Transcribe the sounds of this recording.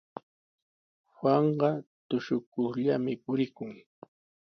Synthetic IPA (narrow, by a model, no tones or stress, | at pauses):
hwaɴɢɑt̪ʊʃʊkʊχʎamɪpʊɾɪkʊŋ